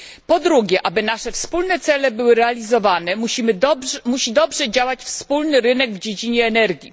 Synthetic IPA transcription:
pɔd̪ɾuɡʲjɛʔabɘnaʂɛfspulnɛt̪sɛlɛbɘwɘɾɛalʲizɔvanɛmuɕimɘmuɕid̪ɔbʐɛd͡ʑawat͡ɕfspulnɘɾɘnɛɡvd͡ʑed͡ʑiɲɛːnɛɾɡʲji

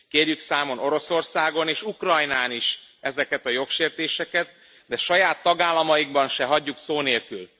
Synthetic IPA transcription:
keːrjyksaːmo̞nʔo̞ɾo̞so̞rsaːɡo̞neːʃukrɒjnaːniʃɛzɛkɛt̪ɒjo̞kʃeːrt̪eːʃɛkɛt̪̚ | d̪ɛʃɒjaːt̪ːɒɡaːlːɒmɒjiɡbɒnʃɛɦɒɟːuksoːneːlkyl

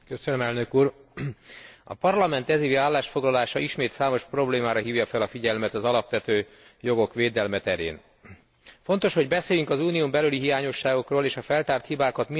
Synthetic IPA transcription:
køsønømɛlnø̞kuːr | ɒ̰pɒrlɒmɛnt̪ɛziːviaːlːaːʃfo̞ɡlɒlaːʃɒʔiʃmeːt̪saːmo̞ʃpro̞bleːmaːɾɒɦiːvjɒfɛlɒfiɟɛlmɛt̪ɒzɒlɒpʋɛt̪øː | jo̞ɡo̞kʋeːd̪ɛlmɛt̪ɛɾḛːn | fo̞nt̪o̞ʃhoɟbɛseːjyŋkɒzuːniumbɛlyliɦijaːɲo̞ʃːaːɡo̞kroːleːʃɒfɛlt̪aːrt̪hibaːkɒt̪mi

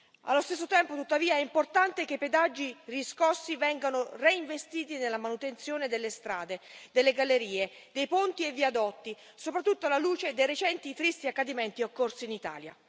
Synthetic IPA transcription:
a̰lːost̪esːot̪ɛmpot̪ut̪ːaviːaɛimport̪ant̪ek̟epːed̪ad͡ʒːiriskɔsːivɛŋɡanoreiɱvest̪iːt̪inelːamanut̪ent̪sjoːned̪elːest̪ɾa̰ːd̪ed̪elːeɡalːeɾiːed̪ejpont̪ievːiad̪ɔt̪ːi | sopɾat̪ːut̪ːoalaluːt͡ʃed̪ejɾet͡ʃɛnt̪it̪ɾist̪iakːad̪imɛnt̪iokːorsiːnit̪a̰ːlja̰

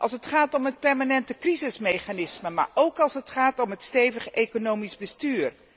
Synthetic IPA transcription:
ʔɑ̰lˠs̬ɦətχaːtɔmɦət̚pɛɹmaːnɛntəkrizɪsmejχanɪsməma̰ːɹowkɑlˠsɦətχaːtɔmɦətstejvəχejkonowmizbəstyːr

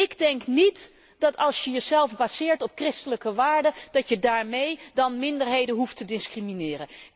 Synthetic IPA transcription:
ɪɡdɛŋknit | d̥ɑtɑlˠsjəjəzɛlˠfbaːzɪːɹtɔp̚krɪstələkəʋaːɹdəd̥ɑtjədaːɹmejdɑnmɪndəɹɦejdənɦuftədɪskriminɪːrən

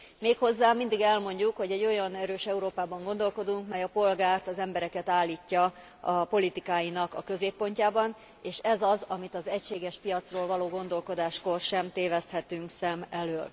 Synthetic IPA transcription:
meːkho̞zːaːmind̪iɡɛlmo̞ɲɟukho̞ɟɛɟːo̞jɒnɛɾøːʃɛuɾoːpaːbɒŋɡo̞nd̪o̞lko̞d̪uŋkmɛjɒpo̞lɡaːrt̪ɒzɛmbɛɾɛkɛt̪aːlːiːcːɒ | ɒpo̞lit̪ikaːjinɒkɒ̰kø̞zeːpːo̞ɲcaːbɒn | eːʃɛzɒzɒmit̪ɒzɛcʃeːɡɛʃpijɒt̪sroːlvɒloːɡo̞nd̪o̞lko̞d̪aːʃko̞rʃɛmt̪eːvɛst̪hɛt̪yŋksɛmɛløːl

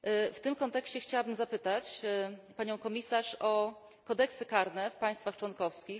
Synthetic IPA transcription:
ft̪ɘmkɔnt̪ɛkɕt͡ɕɛxt͡ɕawabɘmzapɘt̪at͡ɕpaɲɔ̃w̃kɔmʲisaʂɔ | kɔd̪ɛksɘkaɾnɛfpaj̃st̪faxt͡ʂwɔnkɔfskʲix

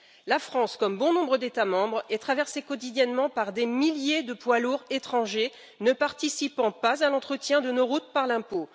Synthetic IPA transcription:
lafχɑ̃skɔmbɔ̃nɔ̃bʁəd̪et̪amɑ̃bʁɛt̪χavɛʁsekɔt̪id̪jɛnmɑ̃paʁd̪emiljed̪əpwaluʁet̪χɑ̃ʒe | nəpaʁt̪isipɑ̃pazalɑ̃t̪χət̪jɛ̃d̪ənoʁut̪̚paʁlɛ̃po

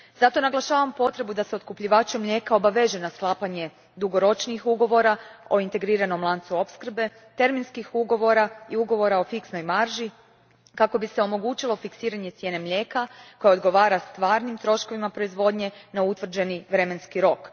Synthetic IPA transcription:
z̥at̪o̞naɡlˠaʃaːʋampo̞t̪ɾe̞bud̪aseot̪̚kupʎiʋaːt͡ʃumʎʲe̞kao̞baʋe̞ʒenasklˠaːpaɲe̞ | d̪uɡo̞ɾo̞t͡ʃnixuɡo̞ʋo̞ɾao̞int̪e̞ɡɾiːɾano̞mlˠant̪suo̞pskr̩be̞ | t̪e̞ɾminskixuɡo̞ʋo̞ɾaiuɡo̞ʋo̞ɾao̞fiksno̞jmaɾʒi | kako̞biseo̞mo̞ɡuːt͡ʃilo̞fiksiːɾaɲe̞t̪sje̞ːne̞mʎʲe̞ːkako̞jao̞d̪ɡo̞ʋaːɾast̪ʋaːɾnimt̪ɾo̞ʃko̞ʋimapɾo̞izʋo̞d̪ɲe̞naut̪ʋr̩d͡ʑe̞niʋɾe̞me̞nskiɾo̞k

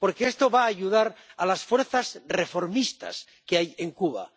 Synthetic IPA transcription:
po̞ɾkeest̪o̞βaːʎuðaɾalasfweɾθasre̞fo̞ɾmist̪a̰s | keaje̞ŋkuβ̞a̰

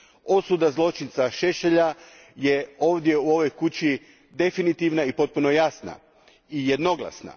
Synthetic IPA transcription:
o̞sud̪azlˠo̞t͡ʃint̪saʃeʃeʎa | jeo̞ːʋd̪je̞uo̞ʋo̞jkut͡ɕi | d̪e̞finit̪iʋnaipo̞t̪̚puno̞jasna̰ | ije̞d̪no̞ɡlˠa̰sna̰

